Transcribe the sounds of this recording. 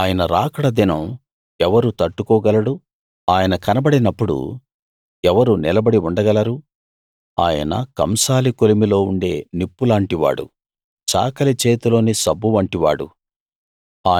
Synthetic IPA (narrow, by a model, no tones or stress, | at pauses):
aːjɐnɐɾaːkɐɽɐd̪inɐm | ɛʋɐɾut̪ɐʈːukɔːɡɐlɐɽu | aːjɐnɐkɐnɐbɐɽinɐpːuɽṵ | ɛʋɐɾunilɐbɐɽiuɳɖɐɡɐlɐɾu | a̰ːjɐ̰nɐ̰kɐ̰msaːlikolimilo̞ːuɳɖe̞̰ːnipːulaːɳʈiʋa̰ːɽṵ | t͡ʃa̰ːkɐlit͡ʃeːt̪ulo̞ːnisɐbːuʋɐɳʈiʋa̰ːɽṵ | aː